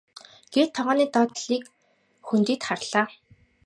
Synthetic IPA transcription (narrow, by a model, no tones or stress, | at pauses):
ɡ̥ert̪ʰːɔʁaːniːt̪ɔːt̪ɮiːk | xunt̪iːt̪χarɮ̥aː